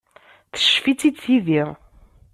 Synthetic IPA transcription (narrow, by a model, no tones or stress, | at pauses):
θə̥ʃfit͡sːid̪θiði